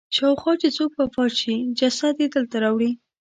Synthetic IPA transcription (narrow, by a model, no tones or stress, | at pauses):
ʃɑwxwɑt͡ʃet͡sok̚pafɑʃid͡ʒasad̪ed̪əlt̪aɾɑwɽi